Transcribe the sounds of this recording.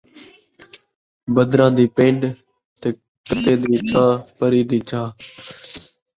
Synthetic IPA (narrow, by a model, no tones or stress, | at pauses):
bəd̪ɾãːd̪iːpẽːɳɖ | t̪eː | kət̪eːd̪iːt͡ʃʰãːpəɾiːd̪iːt͡ʃʰãː